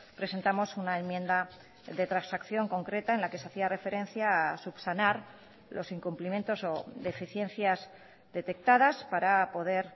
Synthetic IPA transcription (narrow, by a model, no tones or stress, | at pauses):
pɾe̞se̞nt̪amo̞sunae̞nmjend̪a | ðe̞t̪ɾansakθjo̞ŋko̞ŋkɾe̞t̪ae̞nlake̞saθiare̞fe̞ɾe̞n̟θjaːsupsanaɾ | lo̞siŋkumplimje̞nt̪o̞so̞ðe̞fiθje̞n̟θjaz | ðe̞t̪e̞k̚t̪aðaspaɾapo̞ðe̞ɾ